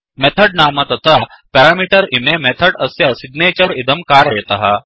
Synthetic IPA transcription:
mɛt̪ʰəɖnaːmat̪ɐt̪ʰapɛɾaːmiʈəɾimemɛt̪ʰəɽɐsjɐsiɡneːt͡ɕəɾid̪əmkaːɾɐɦt̪ɐɦa̰

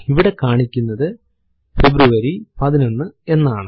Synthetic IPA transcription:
iʋiɽe̞kaːɳikʲːunːɐðɨ | februʋɐɾipɐðino̞nːɨe̞nːaːɳɨ

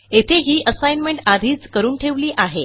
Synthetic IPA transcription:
et̪ʰeɦiːʔəsajnmeɳʈad̪ʱiːt͡skəɾuːnʈʰeʋliːʔaɦe

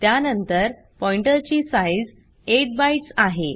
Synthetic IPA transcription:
t̪janənt̪əɾ | pɔjɳʈəɾt͡ɕiːsajd͡z | eʈ̚bajʈsaɦe

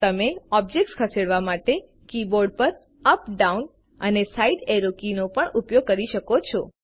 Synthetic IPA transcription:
t̪əmeɔb̚d͡ʒek̚ʈskʰəseɽʋamaʈe | kiboɾɖ̚pəɾ | əpɖaun | ənesaiɖeɾokinopəɳupjoɡ̚kəɾiʃəkot͡ʃʰɔ

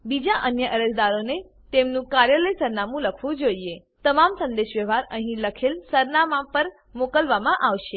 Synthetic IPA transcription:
bid͡ʒaʔənjəʔəɾəd͡ʒd̪aɾone | t̪emnũkaɾjələjsəɾnamũləkʰʋũd͡ʒoie | t̪əmamsə̃nd̪eʃʋəʋ̤ʱaɾəɦĩləkʰelsəɾnamãpəɾ | mokəlʋamãʔaʋʃe

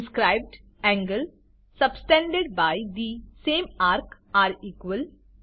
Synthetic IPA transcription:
skɾaɪb̚ɖ | ɛ̃ŋɡəl | səbsʈɛ̃ɳɖeɖ̚baɪd̪isẽːmaːɾk | aːɾiːkʋəl

